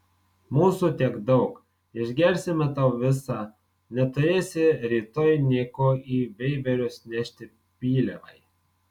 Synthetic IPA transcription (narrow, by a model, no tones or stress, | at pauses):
muːsuːt̪ʲiɛɡd̪ɒʊk | ɪʒʲɡʲɛɾʲsʲɪmʲɛt̪ɑʊʋʲɪsɑː | nʲɛt̪ʊɾʲeːsʲɪɾʲiːt̪oːjnʲiɛːkoːiːʋʲɛɪbʲɛɾʲoːsnʲɛʃʲt̪ʲɪ | pʲiːlʲɛ̰ʋɐ̰ɪ